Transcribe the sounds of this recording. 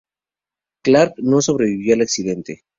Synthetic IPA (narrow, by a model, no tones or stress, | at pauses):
klaɾkno̞so̞β̞ɾe̞βiβjo̞alaksiðe̞nt̪e